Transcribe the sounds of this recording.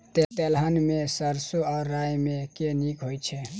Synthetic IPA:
t̪et̪elɦənmesəɾsoaɾːajmekenikɦojt͡ʃʰɛ

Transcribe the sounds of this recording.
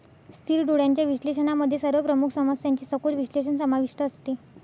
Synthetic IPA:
st̪ʰiːɾɖoɽjaɲt͡ɕjaʋiɕleɕənaməd̪ʱːjesəɾʋəpɾəmukʰsəməsjaɲt͡ɕiːsəkuɾʋiɕleɕənsəmaʋiʂʈəːst̪i

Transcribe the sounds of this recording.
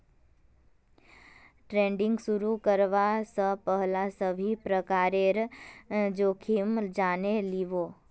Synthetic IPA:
ʈɾẽɳɖɪ̃ŋɡsuɾukəɾʋasəpəɦlasəbʱipɾəkaɾeɾ | d͡ʒokʰimd͡ʒaneliʋo

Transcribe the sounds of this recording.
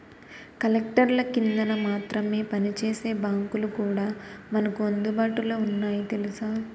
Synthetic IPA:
kɐlekʈɐɾlɐkind̪ɐnɐmaːt̪ɾɐme̞ːpɐnit͡ʃeːse̞ːbaːŋkulukuːɽaːmɐnɐkuɐnd̪ubaːʈuloːunːaːjit̪e̞lusaː

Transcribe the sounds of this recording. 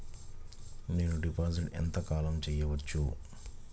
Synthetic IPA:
ne̞ːnuɖipaːsiʈɛ̰nt̪ɐkaːlɐmt͡ʃɛːjɐʋɐt͡ʃːu

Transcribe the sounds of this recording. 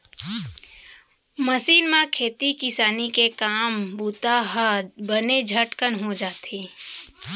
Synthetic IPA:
mɐsiːnmãkʰeːt̪ikɪsaːnikekaːmbuːt̪aɦabəned͡ʒʱəʈkənɦod͡ʒaːt̪eː

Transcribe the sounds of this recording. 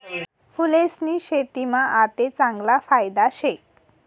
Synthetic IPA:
fulesniɕet̪imaʔat̪et͡sãŋɡlafajd̪aɕek

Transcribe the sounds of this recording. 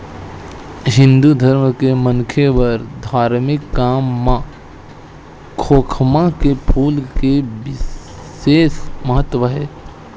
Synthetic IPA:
ɦɪ̃nd̪ud̪ʱəɾmkemənkʰewəɾd̪ʱaːɾmɪkːaːmːã | kʰoːkʰmãkepʰuːlkebɪ | seːsməɦət̪ːwəɦɛː

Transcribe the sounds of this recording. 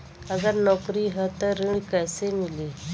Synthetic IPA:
əɡaɾnɔkɾiɦət̪əɾiɳkəjsemile

